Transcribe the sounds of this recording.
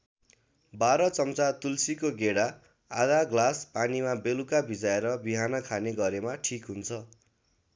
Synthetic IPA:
baɾʌt͡sʌmt͡sat̪ulsikoɡeɽa | a̰d̪aɡlaspanimabelukabʱid͡zaeɾʌbiɦanʌkʰaneɡʌɾemaʈʰikɦunt͡sʰʌ

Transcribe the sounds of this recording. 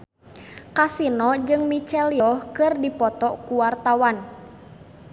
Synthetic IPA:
kasinɔd͡ʒɨŋmit͡ʃɛljɔhkɨrdipɔt̪ɔkuwart̪awan

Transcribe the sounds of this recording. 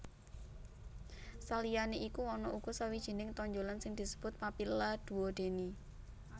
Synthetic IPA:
salijaneʔikuɔnɔʔuɡ̥ɔ̤sawid̥ʒ̥ə̤nɪŋt̪ɔɲd͡ʒolansɪŋd̪̥i̤səb̥ʊt̪̚papilad̪̥ṳwɔd̪̥e̤ni

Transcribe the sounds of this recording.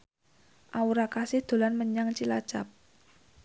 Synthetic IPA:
ʔauɾakasɪhd̪̥o̤lanməɲaŋt͡ʃilḁt͡ʃap̚

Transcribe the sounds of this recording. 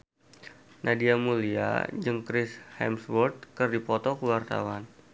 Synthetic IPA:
nʔadiamulia̰d͡ʒɨŋkɾɪshɛ̰mswɔrt̪̚kərdipɔt̪ɔkəwart̪a̰wan

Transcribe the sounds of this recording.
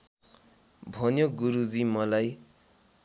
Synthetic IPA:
bʱʌnjoɡuɾud͡zimʌlaj

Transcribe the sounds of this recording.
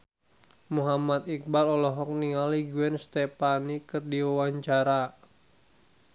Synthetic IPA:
muɦamat̪ik̚balɔlɔɦɔk̚niŋaliɡuɛnst̪ɛpanikɨrdiwawaɲt͡ʃaɾa

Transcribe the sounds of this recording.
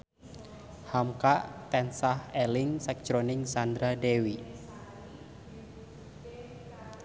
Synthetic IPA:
hamkaʔt̪ɛnsahɛlɪŋsɛk̚t͡ʃɾonɪŋsand̪ɾadewi

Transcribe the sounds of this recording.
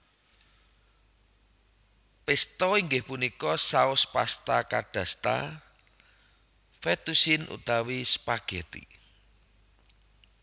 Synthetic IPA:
pɪst̪ɔiŋɡɪhpunikɔsaʊspast̪akaɖ̥a̤st̪a̰ | fɛt̪usɪnʔṵt̪awispaɡ̥et̪ḭ

